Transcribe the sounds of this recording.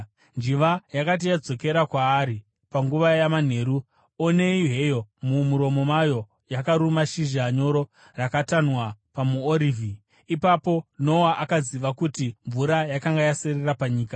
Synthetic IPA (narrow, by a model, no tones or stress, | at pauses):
nd͡ʒiʋajakat̬ijad͡zo̞ke̞ɾakwaːɾi | paŋɡuʋajaman̤e̞ɾu | one̞iɦe̞jo̞mumuɾo̞mo̞majo̞ | jakaɾumaʃiʒaɲo̞ɾo̞ | rakatanwapamuoɾiːvʱi | ipapo̞no̞waʔakaziʋakutiɱvuɾajakaŋɡajasererapaɲiːka